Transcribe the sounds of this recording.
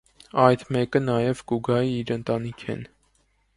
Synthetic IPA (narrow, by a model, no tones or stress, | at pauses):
ɑjd̪mɛkənɑjɛvɡuɡɑiiɾənt̪ɑnikʰɛ̰n